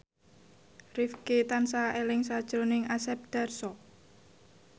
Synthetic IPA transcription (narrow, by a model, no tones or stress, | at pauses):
rifket̪ansaelɪŋsad̥ʒ̥ɾo̤nɪŋʔasɛp̚d̪̥a̤rsɔ